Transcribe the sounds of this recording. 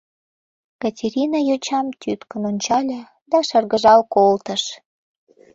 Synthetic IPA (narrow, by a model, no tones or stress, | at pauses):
kɑtʲeɾʲinɑjot͡ɕɑmt̪ʲyt̪kənonʲt͡ɕɑlʲə̆ | d̪ɑʃɑrɣəʒɑlkolt̪əʃ